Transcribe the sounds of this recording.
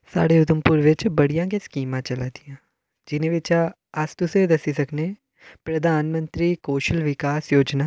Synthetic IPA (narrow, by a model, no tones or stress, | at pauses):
sa̰ːɽeːʊd̪əmpʊɾʋɪt͡ʃbəɽijãːɡeːskiːmãːt͡ʃəlaːd̪ijãː | d͡ʒɪnẽːʋɪt͡ʃa | əst̪ʊsed̪əsiːsəkneː | pɾəd̪aːnmə̃nt̪ɾiːkoːʃəlʋɪkaːsjoːd͡ʒnaː